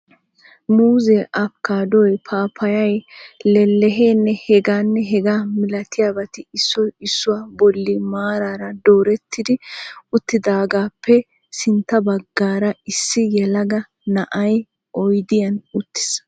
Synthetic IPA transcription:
muːzɛʔɐpkːaːd̪ɔjpʰaːpʰɐjɐjlɛlːɛɦeːnːɛhɛɡaːnːɛɦɛɡaːmɪlɐt̪ɪjaːbɐt̪ɪɪsːɔjɪsːʊwaːbɔlːɪmaːɾaːɾɐd̪oːɾɛt̪ːɪd̪ɪʊt̪ːɪd̪aːɡaːpːɛ | sɪnt̪ːɐbɐɡːaːɾɐɪsːɪjɛlɐɡɐ | nɐʔɐj | ʔɔjd̪ɪjɐnʊt̪ːɪ̥s

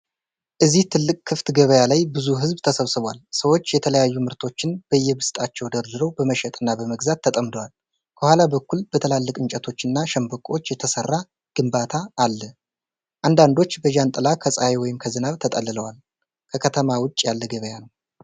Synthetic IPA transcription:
ʔɨziht̪ʰɨlːɨkʼkʰːɨft̪ɡəβəjalajbɨzuɦɨzbt̪ʰəsəβsɨβʷalsəwo̞t͡ʃːjɛt̪ʰələjajːumɨɾt̪ʰo̞t͡ʃːɪnb̥əjːɛbɨst̪ʼat͡ʃːɛwd̪əɾzɨɾowbəməʃɛt̪ʼɨnːabəməɡzat̪ʰːət̪ʼəmd̪əwal | kʰəhʷwʷalabəkːulb̥ət̪ʰəlalːɨkʼɨnt͡ʃʼɛt̪ʰo̞t͡ʃːɨnːaʃəmbəkʼo̞t͡ʃːjɛt̪ʰəsərːa | ɡ̥ɨmbat̪ʰaːlːə | ʔand̪and̪o̞t͡ʃːbəʒant̪ʼɨlakʰəsʼajewɔjɪmkʰəzɨnaβt̪ʰət̪ʼəlːɨləwal | kʰəkʰət̪ʰəmawʊt͡ʃʼːjalːəɡəβəjanəw

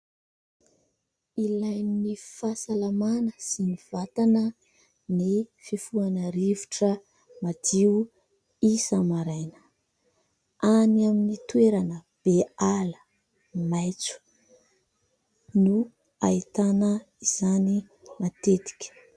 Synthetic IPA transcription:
ilajnnifasalamanəsiniv̥at̪anə | nififuanəɾivuʈ͡ʂə | mad̪iu | isəmaɾajnə̥ | aniaminit̪uweɾanə | b̥ealə̥ | majt͡su̥ | nu | ait̪anə | iz̥ani | mat̪et̪i̥kʲə̥

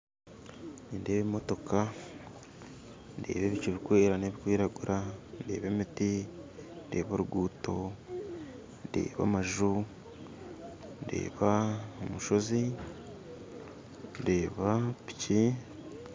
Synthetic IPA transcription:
nindeːβemo̞to̞ka | nde̞̰ːβe̞βiciβikweːɾane̞βikwiːɾaɡuɾʔande̞ːβe̞miti | nde̞ːβoɾuɡuːto̞ | ndḛːβa̰maʒu | nde̞̰ːβaomuʃo̞zi | ndeːβapi̥ci

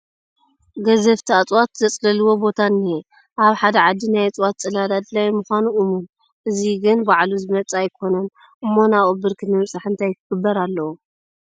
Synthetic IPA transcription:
ɡɐzɐft̪ʰiat͡sʼwat̪zɐt͡sʼlɐluwo̞bo̞t̪ʰanːi | ʔaβħad̪ɐʕad̪ːinajt͡sʼwat̪̚t͡sʼɐlad̪ad̪ɨlajmɨxʷanuʔɨmun | ʔɨziɡɨnbaʕluzɨmɐt͡sʼajkʰo̞nɐn | ʔɨmːo̞naβʼobɨɾkʰɨnɨmɨt͡sʼaħɨnt̪ʰajkʰɨɡ̥ɨbːɐɾalːɐwu

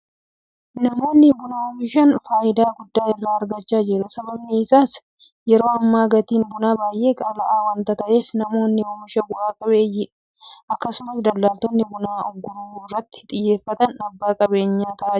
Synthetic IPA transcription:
nɐmo̞ːnːɪbʊnaɔmɪʃɐnfaːjɪd̪aːɡʊd̪ːaːɪrːaːɐɾɡɐt͡ʃːaːd͡ʒɪɾʊsɐbɐbniːɪsaːs | jɛɾo̞ːɐmːaːɡɐt̪iːnbʊnaːbaːjʔe̞ːkʼɐlɐʔaːwɐnt̪ɐt̪ɐʔe̞ːfnɐmo̞ːnːɪɔmɪʃɐɡʊʔaːkʼɐbeːjɪᶑ | ɐkːɐsʊmɐsd̪ɐlːaːlt̪ɔnːɪbʊnaːɔɡːʊɾuːɪrːɐt̪ːɪ̥t̪ʼɪjːe̞ːfːɐt̪ɐnɐbːaːkʼɐbe̞ːɲːaːt̪ɐʔaː

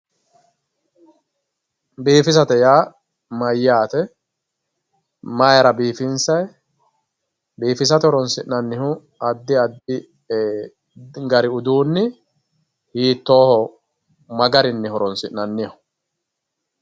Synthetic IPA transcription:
biːfɪsɐt̪ɛjaː | mɐjːaːt̪ɛ | mɐjɐɾɐbiːfɪnsɐj | biːfɪs̬ɐt̪ɛhɔɾɔnsɪʔnɐnːɪhʊ | ɐd̪ːɪɐɪ | ɡɐɾɪʊd̪uːnːɪ | hiːt̪ːo̞ːhɔ | mɐɡɐɾɪnːɪhɔɾɔnsɪʔnɐnːɪhʊ̥

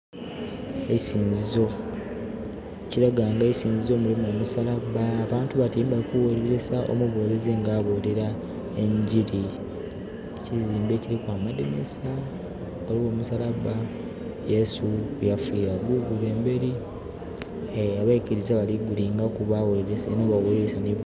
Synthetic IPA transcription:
eisiːnzizo̞ | eciɾaɡaːŋɡeisiːnzizo̞mulimomusalaβaːβaːntuβatiːmbaikuweliɾesaʔo̰muβoːlezeːŋɡaːβoleɾa | e̞ɲɟiɾi | eciziːmbe̞ːciɾikwaːmademesa | olimoːmusalaβa | je̞sujafiːɾaɡuɡuleːmbe̞ɾi | aβaikiɾizaβaliɡuliŋɡakuβawoliɾesanoːβaweɾiɾesani

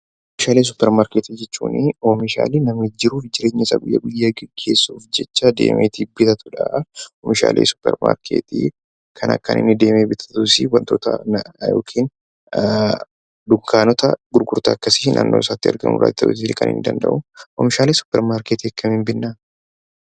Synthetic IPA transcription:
ʔofɪʃaːleːs̬ʊpːɛɾmaːɾkeːt̪id͡ʒɛt͡ʃːuːnɪomɪʃa̰ːliːnɐmɪd͡ʒːɪɾuːfd͡ʒɪɾeːɲːɐɪsa̰ːɡjːɐɡʊjːɐɡɛɡːeːsːuːfd͡ʒɛt͡ʃːad̪ḛːmʔeːt̪iːbɪt̪ɐt̪ʊ̥ᶑɐɔmɪʃa̰ːlʔeːsʊ̥pːɛ̰ɾma̰ːɾkʰḛːt̪ḭ | kʰɐnɐ̰kːɐ̰nʔɪ̰nːɪd̪e̞ːmeːbɪt̪ʰɐ̥t̪ʊsɪwɐnt̪o̞ːt̪ɐ̰jo̞̰ːkʰiːn | d̪ʊŋkaːnɔt̪ɐɡʊɾɡʊɾt̪ɐɐkːɐsɪ̥nʔa̰ːnːoːɪsaːt̪ːɪɐɾɡɐ̰mʊ̰ɾa̰ːd̪ɪt̪ɐʔʊt̪ːɪkɐnɪ̰nɪd̪ɐnd̪ɐ̰ʔʊɔmɪʃaːleːsʊ̥pːɛɾmaːɾkeːt̪ɛkːɐmɪmbɪnːa

